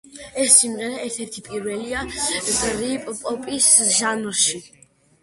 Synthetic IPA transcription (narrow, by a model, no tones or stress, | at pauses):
ɛsimʁɛɾaɛɾt̪ʰɛɾt̪ʰipʼiɾvɛliaɡɾipʼpʼɔpʼisʒamɾʃi